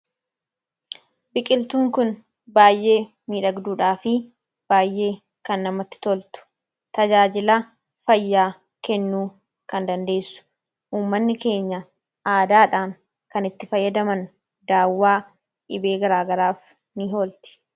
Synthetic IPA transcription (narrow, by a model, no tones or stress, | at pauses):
bɪkʼɪlt̪uːŋkʊn | baːjʔe̞ː | miːᶑɐɡd̪uːᶑaːfɪ | b̥aːjːe̞ː | kɐnːɐmɐt̪ːɪ̥t̪ɔlt̪ʊ̥ | t̪ɐd͡ʒaːd͡ʒɪlɐ | fɐjːaː | kɛnːuː | kɐnd̪ɐnd̪e̞ːsːʊ̥ | ʔuːmːɐnːɪke̞ːɲːɐ | aːd̪aːᶑaːŋ | kɐnɪt̪ːɪfɐjːɐd̪ɐmɐn | d̪aːwːaː | ʔɪbe̞ːɡɐɾaːɡɐɾaːf | nɪɦo̞ːlt̪ɪ̥